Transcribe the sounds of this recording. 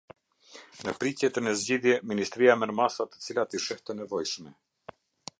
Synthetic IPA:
nəpɾicjɛt̪ənəzɟiðjɛminist̪ɾijamɛɾmasat̪ə̥t͡silat̪iʃɛht̪ənɛvɔjʃmɛ

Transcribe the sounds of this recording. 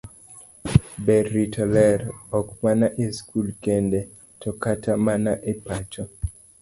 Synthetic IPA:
bɛɾitʰɔlɛɾɔkmanaʔeskʰulkende | tʰɔkatʰamanaʔepat͡ʃɔ

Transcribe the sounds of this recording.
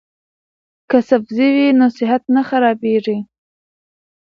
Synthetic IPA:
kasafziwinosɪɦat̪naxaɾɑbeʐi

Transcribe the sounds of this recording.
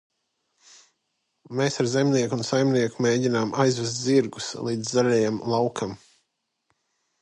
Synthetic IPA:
meːsaɾzemniɛkunsajmniɛkumeːɟinaːmʔajzvɛst̪ʲziɾɡuslˠiːd̪zːalʲɛjamlˠawkʰam

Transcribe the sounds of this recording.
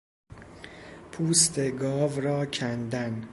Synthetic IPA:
pʰuːst̪ʰeɡɒːvɾɒːcʰænd̪æn

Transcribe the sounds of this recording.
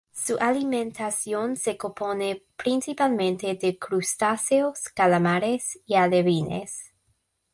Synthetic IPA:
suʔalimẽnt̪asjonsekoponepɾinsipalmẽnt̪edekɾust̪aseoskalamaɾesialeβinḛs

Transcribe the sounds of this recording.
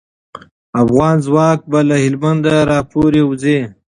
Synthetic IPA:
afɣɑːnzwɑːk̚balahɪlmand̪aɾɑːpoɾewze

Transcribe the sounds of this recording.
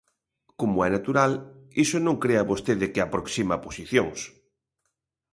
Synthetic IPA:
komoɛnat̪uɾalisonõŋkɾeaβost̪eðɪkeapɾoksimaposiθjoŋs

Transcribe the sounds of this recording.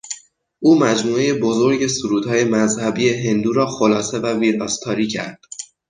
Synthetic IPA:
ʔuːmæd͡ʒmuːe̞jebo̞zo̞ɾɟe̞suɾuːd̪hɒːje̞mæzhæbiːje̞ɦe̞nd̪uːɾɒːxolɒːse̞væviːɾɒːst̪ʰɒːɾiːcʰæ̰ɾd̪̥

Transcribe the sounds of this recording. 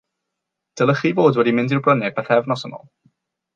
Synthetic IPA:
d̥əlˠəχivoːdwɛdimɪ̃ndirbrənɨpʰɛθɛvnɔsəmɔ̰lˠ

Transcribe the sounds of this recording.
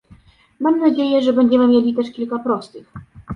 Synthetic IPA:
mamnad͡ʑejɛʐɛbɛɲd͡ʑɛmɘmʲjelʲit̪ɛʂkʲilkapɾɔst̪ɘx

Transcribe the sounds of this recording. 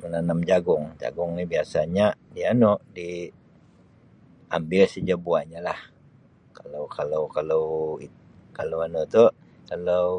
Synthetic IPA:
mənanamd͡ʒaɡʊŋd͡ʒa̰ɡʊŋnibiasaɲadianoʔdi | ʔa̰mbɪlsəd͡ʒabuaɲalah | kalowkalowkalowikalowanot̪u | kalow

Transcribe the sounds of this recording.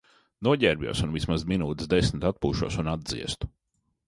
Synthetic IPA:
nuɔɟʲɛɾbʲjṵɔsunvismazminuːt̪sd̪esmt̪at̪̚puːʃṵɔsunad̪d̪zḭɛst̪u̥

